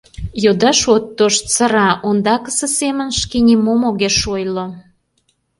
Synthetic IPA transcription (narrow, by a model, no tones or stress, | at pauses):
jod̪ɑʃot̪ːoʃt͡səɾɑʔond̪ɑkə̥sə̆semə̆nʃkenʲimomoɣeʃojlo